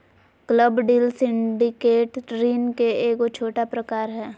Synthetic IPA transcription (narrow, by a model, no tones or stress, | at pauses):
kləbɖiːlsɪ̃ɳɖɪkeːʈɾiːnkeeːkot͡ʃʰoːʈapɾəkaːɾɦɛː